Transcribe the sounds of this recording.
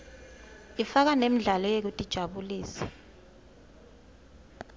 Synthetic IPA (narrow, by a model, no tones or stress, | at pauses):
ifak̬anem̩ɮalɔjek̬utʼid̥ʒ̥ʱaɓuliːsɛ̥